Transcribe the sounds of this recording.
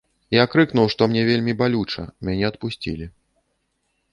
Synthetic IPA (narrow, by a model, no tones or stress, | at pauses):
iakɾɨkn̪uwʂt̪ɔmnʲɛvʲelʲmʲibalʲut͡ʂɐ̰mʲanʲɛɐt̪̚pusʲt͡sʲḭlʲi